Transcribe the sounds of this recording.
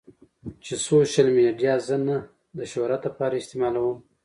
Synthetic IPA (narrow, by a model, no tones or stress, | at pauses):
t͡ʃesoʃalmeɖijɑzəna | d̪əʃoɾad̪əpɑɾaɪst̪emɑlawəm